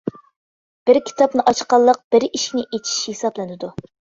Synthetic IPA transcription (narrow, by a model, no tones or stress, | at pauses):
b̥ɪɾkʲʰi̥t̪ʰɑpnɨʔɑt͡ʃqɑlˠːəq̚b̥ɪɾiʃkʲinɪʔet͡ʃʰi̥ʃhesɑblˠɨnɨd̪u